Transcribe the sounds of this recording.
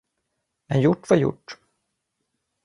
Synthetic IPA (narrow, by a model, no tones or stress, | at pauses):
mɛnjʊʈːvaɾjʊ̰ʈː